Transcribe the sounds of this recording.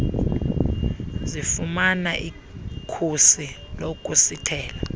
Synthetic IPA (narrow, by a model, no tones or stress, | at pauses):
zifumanaʔi | kʰusi | lokʼusitʰɛːla